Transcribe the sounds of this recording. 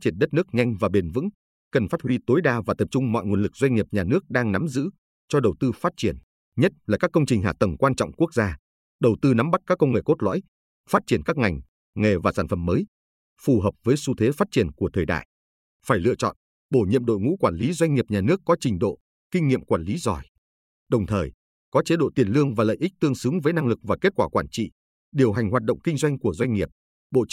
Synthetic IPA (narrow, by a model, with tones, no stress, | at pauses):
t͡ɕi˧˩ənɗə˦˥t̚nɨ˦˥ək̚ɲa˧jŋ̟vaː˨˩ɓe˨˩nvɨ̰˧˥ŋ | kə˨˩nfaː˦˥t̚hwi˧t̪o˨˦jɗaː˧vaː˨˩t̪ə˨˩p̚t͡ɕʊ˧ŋ͡mmɔ̰˧˨jŋu˨˩nlɨ˨˩k̚zwa˧jŋ̟ŋi˨˩əp̚ɲaː˨˩nɨ˦˥ək̚ɗaː˧ŋna˨˦mzɨ̰˧˥ | t͡ɕɔ˧ɗə˨˩wt̪ɨ˧faː˦˥t̚t͡ɕi˧˩ən | ɲə˦˥t̚laː˨˩kaː˦˥kːə˧wŋ͡mt͡ɕï˨˩ŋ̟ɦa̰ː˧˨t̪ə˨˩mkwaː˧nt͡ɕɔ̰˧˨wŋ͡mku˦˥ək̚zaː˧ | ɗə˨˩wt̪ɨ˧na˨˦mɓa˦˥t̚kaː˦˥kːə˧wŋ͡mŋe˨˩ko˦˥t̚lɔ̰˧˥j | faː˦˥t̚t͡ɕi˧˩ənkaː˦˥k̚ŋa˨˩jŋ̟ | ŋe˨˩vaː˨˩saː˧˩nfə˨˩mːəː˨˦j | fu˨˩ɦəː˨˩p̚vəː˨˦jsu˧t̪ʰe˨˦faː˦˥t̚t͡ɕi˧˩ənku˧˩ət̪ʰəː˨˩jɗa̰ː˧˨j | faː˧˩jlɨ̰˧˨ət͡ɕɔ̰˧˨n | ɓo˧˩ɲḭ˧˨əmɗo̰˧˨jŋṵ˧˥kwaː˧˩nli˨˦zwa˧jŋ̟ŋi˨˩əp̚ɲaː˨˩nɨ˦˥əkːɔ˨˦t͡ɕï˨˩ŋ̟ɗo̰˧˨ | kï˧ŋ̟ŋḭ˧˨əmkwaː˧˩nli˨˦zɔ˨˩j | ɗə˨˩wŋ͡mt̪ʰəː˨˩j | kɔ˨˦t͡ɕe˨˦ɗo̰˧˨t̪i˨˩ənlɨ˧əŋvaː˨˩lə̰ː˧˨jʔï˦˥k̚t̪ɨ˧əŋsɨ˨˦ŋvəː˨˦jna˧ŋlɨ˨˩k̚vaː˨˩ke˦˥t̚kwaː˧˩kwaː˧˩nt͡ɕḭ˧˨ | ɗi˨˩əwɦa˨˩jŋ̟ɦwaː˨˩t̚ɗə̰˧˨wŋ͡mkï˧ŋ̟zwa˧jŋ̟ku˧˩əzwa˧ŋ̟ŋi˨˩əp̚ | ɓo̰˧˨